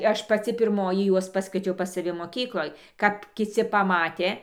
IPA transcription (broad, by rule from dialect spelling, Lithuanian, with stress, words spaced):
ˈɐʃ pɐˈt͡sʲɪ pʲɪrˈmoːjɪ ˈjuɔs ˈpɑːskʋʲiɛt͡ʃʲɛʊ pɐs sɐˈʋʲɪ moːˈkʲiːklˠoːj kɐp kʲɪˈt͡sʲɪ pɐˈmɑːtʲeː